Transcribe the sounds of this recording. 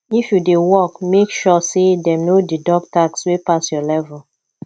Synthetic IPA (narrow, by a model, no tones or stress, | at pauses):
ifjudewɔkmekʃɔsedɛnodidɔk̚takswepasjɔlɛvɛl